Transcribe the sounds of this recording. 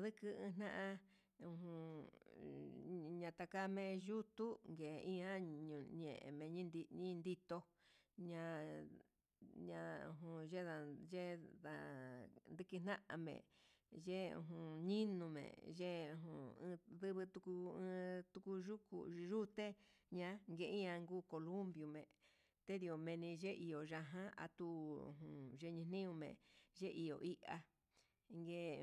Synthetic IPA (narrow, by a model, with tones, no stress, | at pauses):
ðɨ˦kɨ˧ɨ̃ː˧n̥ã˦ʔã˧ | ũ˧ɦũ˧˨ | ɲã˧t̪a˧ka˦mẽ˧ʒu˦t̪u˦ŋɡe˨˧ĩ˦ã˦ɲũ˨ɲḛ̃˨ʔḛ̃˨mẽ˨ɲĩ˦nd̪i˧ɲĩ˦nd̪i˦t̪o˧ | ɲã˧ | ɲã˧ṵ̃˧˨ɦũ˧ʒe˦ða˧ʒe˦ða˧nd̪ɨ˦kɨ˧n̥nã˦ʔã̰˧mḛ̃˨ʒe˦ṵ̃˧ɦũ˨ɲĩ˦nũ˧mḛ̃˨ʒe˦˧ɦũ˨ɨ̃˧ðɨ˦βɨ˧t̪u˧ku˧ɨ̃˧t̪u˧ku˧ʒu˦kṵ˧ʒu˦t̪e˦ɲã˧ŋɡe˧ĩ˦ã˧ŋɡuː˦ko˧lu˦mbju˨mḛ̃˨ | t̪e˦ði˧˨o˨mẽ˧nĩ˧ʒe˦ʔi˨o˨ʒa˧ɦã˦a̰˧t̪u˧˨ɦũ˨ʒe˦˧ɲĩ˧nĩ˦ũ˧mḛ̃˨ʒe˦ʔi˨jo˨ʔi˦ʔa˧ | ŋɡe˧